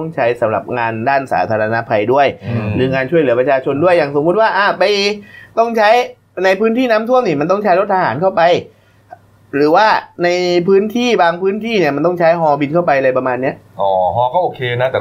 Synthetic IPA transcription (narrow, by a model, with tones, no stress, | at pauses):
ŋt͡ɕʰa˦˥jsa˩˦mɾa̰˨˩p̚ŋaː˧ndaː˥˩nsa̰ː˩˦t̪ʰaː˧ɾa˧na˦˥pʰa˧jdu˥˩əjɾɯː˨˩˦ŋaː˧nt͡ɕʰu˥˩əjlɯ˩˦pɾa˧t͡ɕʰaː˧t͡ɕʰo˧ndu˥˩əjːaː˨˩ŋso˩˦mu˦˥t̪̚waː˥˩ʔaː˧˩pa˧jt̪ɔ˥˩ŋt͡ɕʰa˦˥j | na˧jpʰɯː˦˥nt̪ʰiː˥˩naː˦˥mt̪ʰu˥˩əmniː˧˩ma˧nt̪̬ɔ˥˩ŋt͡ɕʰa˦˥lɾo˦˥t̪̚ʔa˧ɦa̰ː˩˦nkʰa˥˩wpa˧j | ɾɯː˩˦waː˥˩na˧jpʰɯː˦˥nt̪ʰiː˥˩baː˧ŋpʰɯː˦˥nt̪ʰiː˥˩ni˨˩ma˧nt̪ɔ˥˩ŋt͡ɕʰa˦˥jɦɔː˧bi˧nkʰa˥˩wp̬a˧jʔa˧ɾa˧jpa˧maː˧nːi˦˥ɐʔʔɔː˨˩ɦɔː˧kɔː˥˩ʔoː˧kʰeː˧na˦˥˩t̪ɛː˨˩